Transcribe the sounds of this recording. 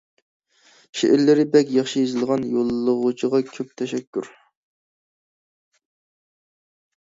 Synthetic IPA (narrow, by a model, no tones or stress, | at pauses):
ʃḛʔɪɾlɪɾɪbɛkʲjɑχʃijezɪlˠʁɑnjolˠːəʁut͡ʃʰiʁɑkʲʰøp̚t̪ʰɛʃɛkʲʰːyɾ